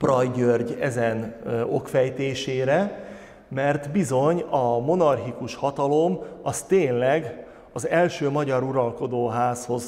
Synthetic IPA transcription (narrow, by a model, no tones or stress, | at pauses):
prɒjɟørɟɛzɛno̞kfɛjt̪eːʃeːɾɛ | mɛrt̪bizo̞ɲɒmo̞nɒrɦikuʃhɒt̪ɒlo̞mɒst̪eːnlɛɡ | ɒzɛlʃøːmɒɟɒɾuɾɒlko̞d̪oːɦaːsho̞z